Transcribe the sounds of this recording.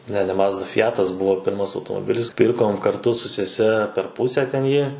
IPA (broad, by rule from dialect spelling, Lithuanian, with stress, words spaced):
nʲɛ nʲɛ ˈmɑːzdɐ fʲɪˈjæːtɐs ˈbʊʋoː ˈpʲɪrmɐs ɐʊtoːmoːˈbʲɪlʲɪs ˈpʲɪrkoːm kɐrˈtʊ sʊ sʲɛˈsʲɛ pʲɛr ˈpʊsʲɛ tʲɛn ˈjiː